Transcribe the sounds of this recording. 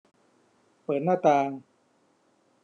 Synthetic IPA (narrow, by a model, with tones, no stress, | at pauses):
pɤː˨˩t̪̚naː˥˩t̪aː˧ŋ